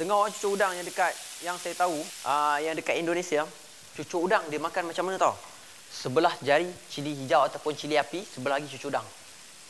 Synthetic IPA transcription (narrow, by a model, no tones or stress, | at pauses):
t̪əŋɔɦoɾaŋt͡ʃu̥t͡ʃʊudaŋjaŋdəkat̪̚jaŋsajat̪auʔəjaŋdəkat̪̚indonẽsia | t͡ʃut͡ʃʊudaŋdiəmakanmat͡ʃamːanət̪ɔ | səbəlahd͡ʒaɾit͡ʃiliɦid͡ʒawat̪apʊnt͡ʃiliapisəbəlaɦaɡit͡ʃut͡ʃʊudaŋ